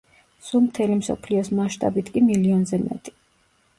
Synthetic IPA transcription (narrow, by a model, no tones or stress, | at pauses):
sulˠmt̪ʰɛlimsɔ̰pʰliɔsmaʃt̪ʼabit̪ʰkʼimiliɔnzɛmɛ̰t̪ʼi̥